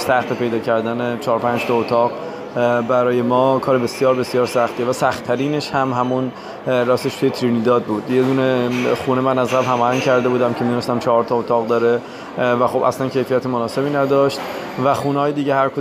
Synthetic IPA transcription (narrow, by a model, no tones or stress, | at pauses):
sæxt̪epʰe̞jd̪ɒːcʰæɾd̪ænet͡ʃʰɒːɾpʰænd͡ʒt̪ʰɒot̪ʰɒːʁ | bæɾɒːje̞mɒːkʰɒːɾebe̞sjɒːɾbe̞sijɒːɾsæxt̪ievæsæxt̪ʰːæɾiːne̞ʃhæmɦæmun | rɒːseʃt̪ujet̪ʰɾinid̪ɒːd̪̚buːd̪je̞d̪uːneχuːnemænæzʁæbhæmɒːhæŋcʰæɾd̪e̞buːd̪æmcʲʰe̞mid̪unest̪æmt͡ʃʰɒɦɒɾt̪ʰɒot̪ʰɒːɣd̪ɒːɾe̞ | væxo̞bʔæslæncʰe̞jfijæt̪ʰemonɒːse̞biːnæd̪ɒːʃt̪væxuːnɒːjed̪iːɟehæɾkʰo